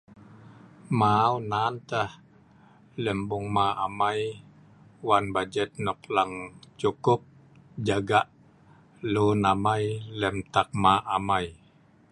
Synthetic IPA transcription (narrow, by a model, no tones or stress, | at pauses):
maunant̪əh | lɛmbuŋmaamaj | wanbad͡ʒɛt̪̚nɔplaŋt͡ʃukʊp̚ | d͡ʒaɡaʔ | lunamajlɛmt̪ak̚maʔamaj